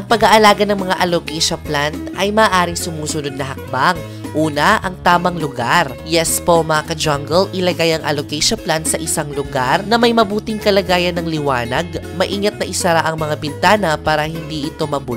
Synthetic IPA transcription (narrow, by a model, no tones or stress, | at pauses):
ʔɐŋpɐɡaʔɐlaːɡɐnɐŋmɐŋaʔɐlokɛjʃɐplant̪ʔɐjmɐːʔaːɾɪŋsʊmuːsʊnod̪̚nɐɦɐk̚baŋ | ʔuːnɐʔɐŋt̪aːmɐŋlʊɡaɾ | jɛspo̞mɐakɐd͡ʒɐŋɡɛlʔɪlɐɡajɐŋʔɐ̰lokɛʃoplant̪sɐʔɪsaŋlʊɡaɾnɐmɐjmɐbuːt̪ɪŋkɐlɐɡaːjɐnɐŋlɪwaːnɐɡ̚mɐʔiːŋɐt̪̚nɐʔɪsɐɾaʔɐŋmɐŋabɪnt̪aːnɐpaːɾɐhɪnd̪iʔɪt̪o̞mɐbut̪